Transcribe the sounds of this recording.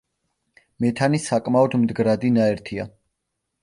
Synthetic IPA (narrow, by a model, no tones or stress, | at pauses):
mɛt̪ʰanisakʼmaɔd̪md̪ɡɾad̪inaɛɾt̪ʰia̰